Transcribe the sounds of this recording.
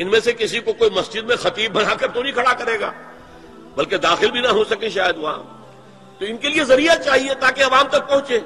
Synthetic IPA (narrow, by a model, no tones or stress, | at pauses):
ɪnmẽsekɪsikokoːimɐsd͡ʒɪd̪mẽxɐt̪iːb̚ːɐnaːkɐɾt̪onĩkʰɐɽakɐɾeːɡa̰ː | bɐlked̪aːxɪlbʱinɐɦosɐkẽʃaːjəd̪ʋɐɦã̰ː | t̪oɪnkeliezɐɾijat͡ʃaːɦiet̪aːkeɐʋaːmt̪ɐk̚pɐ̃ɦʊ̃t͡ʃẽː